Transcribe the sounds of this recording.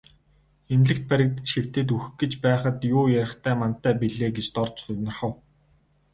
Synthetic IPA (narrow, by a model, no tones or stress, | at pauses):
emɮɘ̆kt̪̚pæɾʲɪ̆k̚t̪ə̆t͡ɕxew̥t̪eːt̪ux̆ɡɘ̆t͡ɕpæːχə̆t̪jʊːjæɾʲɪ̆χt̪ʰæːmant̪ːæːpiɮeːɡet͡ɕt̪ɔrt͡ɕʊnə̆rχə̆w